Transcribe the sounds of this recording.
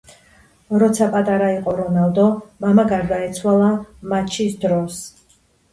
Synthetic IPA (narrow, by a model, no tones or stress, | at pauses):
ɾɔt̪sʰapʼat̪ʼaɾaiqʼɔɾɔnald̪ɔmamaɡaɾd̪aɛt̪sʰwalˠamat͡ʃʰisd̪ɾɔs